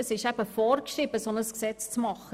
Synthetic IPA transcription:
əsɪʃæb̥əfɔrkʃiːbəsonəsksɛt͡st͡smɑχə

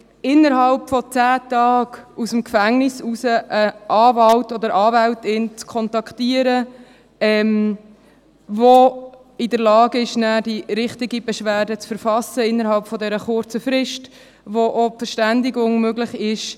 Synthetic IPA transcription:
ɪnːəɾɦɑlpfɔt͡sæːt̪ɑːɡ̥usəmkfæŋnɪsusəʔəʔɑːvɑltɔd̪əɾʔɑːvæltɪnt͡skʰɔntɑktiːəɾə | ɛm | vo | ɪdəɾlɑːɡɪʃnæːdiɾɪχtɪɡibɛʃʋæːɾdət͡sfəɾfɑsəɪnːəɾɦɑlpfɔdɛɾəχʊɾt͡səfɾɪʃt | ʋoʔofəɾʃtændɪɡʊŋmøɡlɪχɪʃ

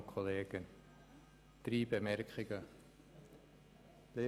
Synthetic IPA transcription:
kʰoleːɡən | d̥riːbəmɛrkχɪɡə | le

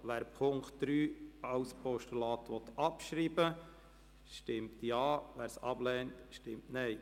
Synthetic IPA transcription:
ʋæːɾpʰʊŋktdɾyːɑwspɔʃtulɑːtʋɔt̪ɑpʃɾiːbə | ʃtɪmtjɑːʋæːɾsɑb̥lɛːntʃtɪmtnɛɪ

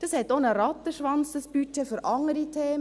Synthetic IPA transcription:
d̥ɑshɛtːonəɾɑt̪əʃʋɑnt͡səspyt͡ʃːɛfyɾʔɑŋəɾitʰeːm

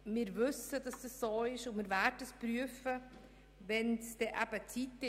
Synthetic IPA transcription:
mɪːɾvʏsəd̥ɑsd̥əssoːɪʃʊnmɪːɾvɛdəəspɾyəfə | vɛnsd̥ɛʔæbət͡sitɪ

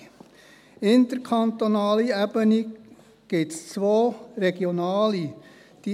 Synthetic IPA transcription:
ɪnt̪əɾkʰɑnt̪onɑːliæbəni | ɡ̥ɪtst͡sʋoːɾɛɡ̥jonɑːli | d̥iː

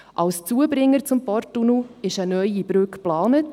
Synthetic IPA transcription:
ʔɑlst͡suəbɾɪŋːəɾt͡sʊmpɔɾtːunuɪʃənœʏib̥ɾʏkplɑːnət

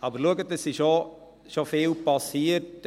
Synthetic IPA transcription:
ɑːbəɾluəɡətəsɪʃo | ʃofeːlpɑsiːərt

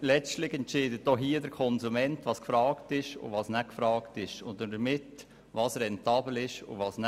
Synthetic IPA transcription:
lɛt͡ʃtlɪxɛntt͡ʃɪːdət̚d̥ɔɦiːədəɾkʰɔnzumɛntʋɑːskfɾɑːktɪʃʊ̰ʋɑːsnɛkfɾɑːktɪʃʊndədəmɪt | ʋɑːsɾɛntɑːbl̩ɪʃʊ̰vɑːsn

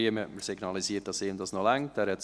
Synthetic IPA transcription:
iəmɛʔməɾsiɡnɑlisiːt̚d̥ɑseːmdɑsnɔlæŋtɛːɾhɛt

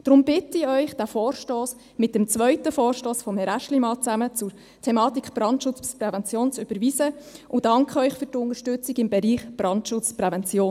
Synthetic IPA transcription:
d̥ɾʊmb̥ɪtiœʏχd̥æfɔːɾʃtoːs | mɪt̚dɛmt͡sʋœɥtəfɔːrʃtoːsfɔmhɛɾæʃlimɑːt͡sæmət͡sʊɾ | tʰemɑːt̪ikχb̥ɾɑntʃʊt͡st͡sprɛvɛnt͡sjoːnt͡sʏb̥əɾʋiːsəʔʊd̥ɑŋkχœʏχfʏɾtʊnəʃtʏt͡siɡɪmbɛɾiːχb̥rɑntʃʊt͡sprɛvɛnt͡sjoːn

